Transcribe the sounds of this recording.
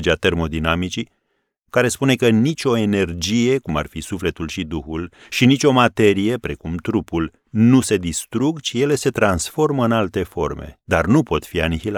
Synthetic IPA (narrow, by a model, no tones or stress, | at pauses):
d͡ʒeat̪e̞rmo̞d̪inamit͡ʃi | kaɾe̞spune̞kənit͡ʃʲo̞e̞ne̞rd͡ʒije̞kuma̰rfisufle̞t̪ulʃid̪uhul | ʃinit͡ʃʲo̞mat̪e̞ɾije̞pɾe̞kumt̪ɾupul | nuse̞d̪ist̪ɾuɡt͡ʃije̞le̞se̞t̪ɾansfo̞rməɨnalt̪e̞fo̞̰rme̞̰d̪arnupo̞t̪fianihila